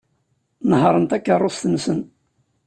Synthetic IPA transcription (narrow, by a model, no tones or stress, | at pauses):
nɦɾˤənt̪ækːərˤːʊsθənsən